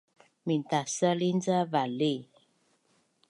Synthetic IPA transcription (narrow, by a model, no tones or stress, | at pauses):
mintasəlind͡zəvale